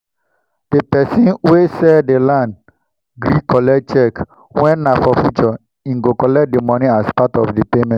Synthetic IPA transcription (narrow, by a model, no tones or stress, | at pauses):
d̥epɛsĩnwesɛdelãnd | ɡɾikɔlɛt͡ʃɛk | wɛ̃nːafɔfut͡ʃɔ | ĩŋɡokɔlɛk̚demɔnĩaspatɔfdipemɛ̃nt